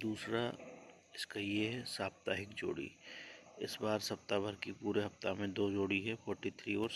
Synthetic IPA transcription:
d̪uːsɾa | ɪskajeɦɛsaːb̚t̪aːɦɪkd͡ʒo̰ːɽḭ | ɪsbaːɾsɐp̚t̪abʱɐɾkipuːɾeɦɐft̪amẽd̪oːd͡ʒoːɽiɦɛfʰɔːɾʈit̪ʰɾiːɔːɾ

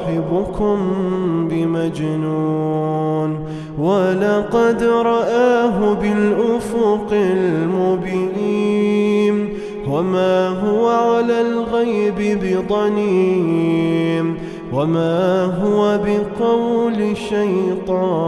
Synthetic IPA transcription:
ħɪbʊkʊmbɪmad͡ʒnuːn | walɑqɑd̪ɾˤɑʔaːɦʊbɪlʔʊfʊqɪlmʊbɪniːn | wamaːɦʊwaʕalaːlɣajbɪbɪd̪ˤɑniː | n | wamaːɦʊwabɪqɑwlɪʃajt̪ˤɑː

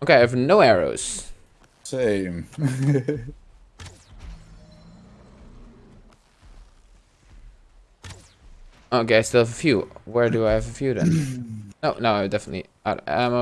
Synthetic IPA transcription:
oʊkeɪaɪɨvnoʊɛɹo̰ʊz̥ | sẽɪ̃m | oʊkeɪaɪstɪlˠvəfjʉwə˞dɨaɪɨvəfjʉðɨ̰̃nnoʊnoʊaɪdɛfənətˡlḭ | aɾã̰m

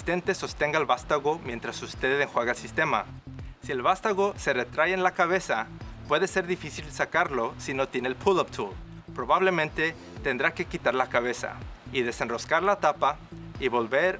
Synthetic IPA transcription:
ist̪e̞nt̪e̞so̞st̪e̞ŋɡaelβast̪aɣo̞mje̞nt̪ɾasust̪e̞ðeŋxweɣaelsist̪e̞ma̰ | sielβast̪aɣo̞se̞re̞t̪ɾajeenlakaβe̞sapwe̞ðe̞se̞ɾðifisilsakaɾlo̞sino̞t̪je̞nelpʰulopt̪ʰul | pɾo̞βaβle̞mẽnt̪e̞ | t̪end̪ɾake̞kit̪aɾlakaβ̞e̞sa̰iðe̞se̞nro̞skaɾlat̪apa | iβo̞lβeɾ

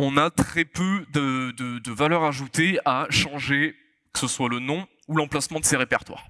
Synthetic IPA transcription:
ɔ̃nat̪χɛpød̪əd̪əd̪əvalœʁaʒut̪eaʃɑ̃ʒe | kə̥səswalənɔ̃ | ulɑ̃plasmɑ̃d̪əseʁepɛʁt̪wa̰ːʁ

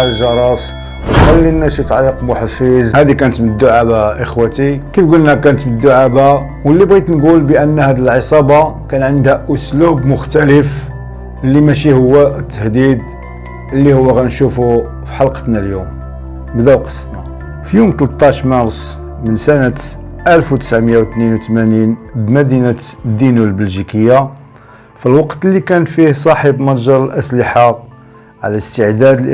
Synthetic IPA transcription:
lʒɑɾˤɑs | wxælːinːæʃit̪ʕliqbuħafizhæd̪ikænət̪məd̪ːuʕabaʔəxwæt̪ikæt̪ɡulnækænət̪məd̪ːuʕaba | wəlːibɣit̪nɡulbəʔənːhæd̪əlʕəsˤɑbɑkænʕənd̪hæʔʊslubmʊxt̪æləf | əlːimæʃihʊwːæət̪ːəhd̪id̪̚ | ʔəlːihʊwːæɣænʃufu | fi̥ħɑlqə̥t̪næljum | bd̪æwqə̥sˤːt̪næ | fjumt̪lət̪ˤːɑʃmɑɾˤsˤ | mənsænət̪ʔælfwt̪ə̥sʕmjawt̪ninwt̪mæninbmæd̪inæt̪d̪ːinulbəlʒikəjːa | filwɑqt̪əlːikænfihsˤɑħəbmɑɾˤʒɑɾˤəlʔæsləħa | ʕ̰læst̪əʕd̪æd̪l

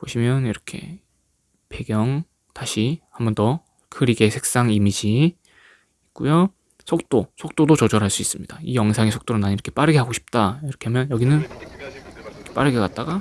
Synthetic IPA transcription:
poɕʰimjʌniɾʌkʰe̞̰ | pe̞ɡjʌŋ | taɕʰihambʌndʌ | kʰɯɾiɡe̞sʰe̞k̚s͈aŋimid͡ʑiː | k͈ujo | sʰok̚t͈osʰok̚t͈odot͡ɕʌd͡ʑʌɾɦaɭs͈uis͈ɯmɲid̥aijʌŋsʰaŋesʰo̥k̚t͈oɾɯnaɲiɾʌkʰep͈aɾɯɡe̞ɦaɡoɕʰi̥p̚t͈aiɾʌkʰeɦamjʌnjʌɡinɯn | ikʰep͈a̰ɾɯɡekat̚t͈aɡa

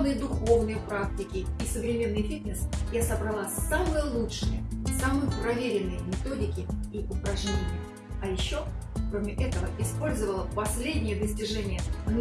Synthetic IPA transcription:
nɨjəd̪ʊxo̞vnɨjəpɾak̚tʲɪkʲɪːsəvɾʲɪmʲe̞nːɨjfʲit̪nʲəsjasəbɾɐlˠasamɨjəlˠutʂɨjəsamɨjpɾɐvʲeɾʲɪnːɨjəmʲɪt̪o̞dʲɪkʲɪiʔʊpɾɐʐɲʲenʲɪjə | ɐjɪɕːo | kɾo̞mʲɪʔɛt̪əvəɪspo̞lʲzəvəlˠəpɐsʲlʲedʲnʲɪjəd̪əsʲtʲɪʐɛnʲɪjən

